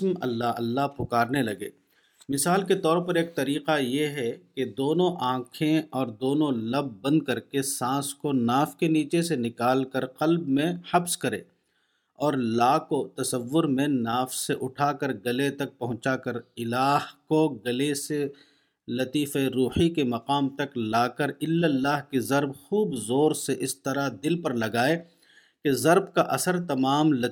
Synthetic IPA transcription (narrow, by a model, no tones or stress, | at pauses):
mɐ̰lːaɐ̰lːaɦpʊkaːɾnelɐɡḛː | mɪsaːlket̪ɔːɾpɐɾeːk̚t̪ɐɾiːqajeɦɛked̪oːnõʔãːkʰẽɔːɾd̪oːnõlɐbːɐ̃nd̪̚kɐɾkesãːskonaːfkeniːt͡ʃesenɪkaːlkɐɾqɐlbmẽhɐbskɐɾḛ̃ː | ɔːɾlaːkot̪ɐsəʋːʊɾmẽnaːfseʔʊʈʰaːkəɾɡɐlet̪ɐk̚pɐɦʊ̃t͡ʃakəɾɪlaːɦkoɡɐlese | lɐt̪iːfeɾuːhikemɐqaːmt̪ɐklaːkəɾɪlːəlːaːɦkezɐɾbxuːbzoːɾseʔɪst̪ɐɾad̪ɪlpɐɾlɐɡaːe | kezɐɾbkaʔɐsəɾt̪ɐmaːmlɐ